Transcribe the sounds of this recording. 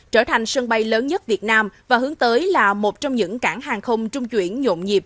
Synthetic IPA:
t͡ɕəː˧˩t̪ʰa˨˩ŋ̟sə˧ŋɓa˧jləː˨˦nɲə˦˥t̚vi˨˩ət̚naː˧mvaː˨˩ɦɨ˨˦əŋt̪əː˨˦jlaː˨˩mo˨˩t̚t͡ɕɔ˧wŋ͡mɲɨ̰˧˥ŋkaː˧˩ŋɦaː˨˩ŋxə˧wŋ͡mt͡ɕʊ˧ŋ͡mt͡ɕwḭ˧˩ənɲo̰˧˨ŋ͡mɲi˨˩p̚

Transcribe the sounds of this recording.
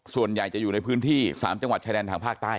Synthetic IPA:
su˨˩ənja˨˩jt͡ɕa˨˩juː˨˩n˧jpʰɯː˦˥nt̪ʰiː˥˩saː˩˦mt͡ɕa˧ŋwa˨˩t̪̚t͡ɕaː˧ɾɛː˧nt̪aː˧ŋpʰaː˥˩k̚t̪aː˥˩

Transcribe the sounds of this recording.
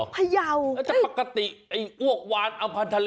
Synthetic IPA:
pʰa˧ja˧wa˧˥˩t͡ɕa˥˩pa˨˩kːa˧t̪i˨˩ʔʔa˧˩ju˥˩ək̚waː˧nʔa˧pʰa˧nt̪ʰa˧l

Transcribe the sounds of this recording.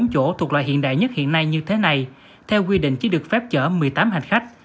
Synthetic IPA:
ŋ͡mt͡ɕo˧˩t̪ʰk̚lwaː˧˨jhḭ˧˨ənɗa̰ː˧˨jɲə˦˥t̚hḭ˧˨ənːa˧jɲɨ˧t̪ʰe˨˦na˧j | t̪ʰɛ˧wkwi˧ɗḭ˧˨ŋ̟t͡ɕi˨˦ɗɨ˨˩ək̚fɛ˦˥p̚t͡ɕəː˧˩mɨ˨˩əjt̪aː˨˦mhɦa˨˩ŋ̟xa˦˥k̟̚

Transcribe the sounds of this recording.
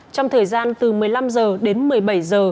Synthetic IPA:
t͡ɕɔ˧wŋ͡mt̪ʰəː˨˩jzaː˧nt̪ɨ˨˩mɨ˨˩əjla˧mzəː˨˩ɗe˨˦nmɨ˨˩əjɓa˧˩jzəː˨˩

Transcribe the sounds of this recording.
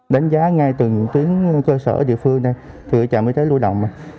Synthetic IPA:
ɗa˨˦jŋ̟zaː˨˦ŋa˧jt̪ɨ˨˩ɲɨ̰˧˥ŋt̪wi˨˦əŋkəː˧sə̰ː˧˩ɗḭ˧˨fɨ˧əŋna˨j | t̪ʰi˨˩ʔjt͡ɕaː˨˩məː˨˦jt̪ʰə˨˦jlu˧əɗə̰˧˨wŋ͡mmaː˨˩

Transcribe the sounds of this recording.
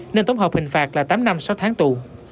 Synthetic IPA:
ne˧nt̪ə˨˦wŋ͡mɦɔ˨˩k͡p̚hï˨˩ŋ̟faː˨˩t̚laː˨˩t̪aː˨˦mna˧msa˨˦wt̪ʰaː˨˦ŋt̪u˨˩

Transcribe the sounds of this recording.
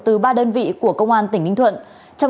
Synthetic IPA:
t̪ɨ˨˩ɓaː˧ɗəː˧nvḭ˧˨ku˧˩əkə˧wŋ͡mʔaː˧nt̪ï˧˩ŋ̟hï˧ŋ̟t̪ʰwə̰˧˨n | t͡ɕɔ˧w

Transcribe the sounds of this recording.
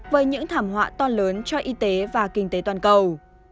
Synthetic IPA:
vəː˨˦jɲɨ̰˧˥ŋt̪ʰaː˧˩mɦwa̰ː˧˨t̪ɔ˧ləː˨˦nt͡ɕɔ˧ʔi˧t̪e˨˦vaː˨˩kï˧˩ŋ̟t̪e˨˦t̪waː˨˩nkə˨˩w

